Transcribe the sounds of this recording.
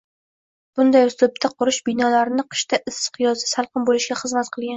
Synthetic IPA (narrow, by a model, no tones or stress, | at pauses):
b̥ʊnd̪ajʊst̪ʊp̚t̪ʰaqʰʊɾɪʃbɪnɒlaɾɪnɪqʰɨ̥ʃt̪ʰaʔɪsɨ̥qʰjɒzɪsalˠqɨmbolɪʃɡʲaχɨzmat̪qʰɨlˠɡʲan